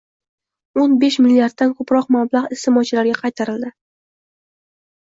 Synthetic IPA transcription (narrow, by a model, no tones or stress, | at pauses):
onbeʃmɪlːiaɾd̪̚ːankʰɵpɾɒqmablˠaʁɪst̪ʰɪmɒt͡ʃʰɪlaɾɡʲaqʰɑjt̪ʰaɾɪld̪ɪ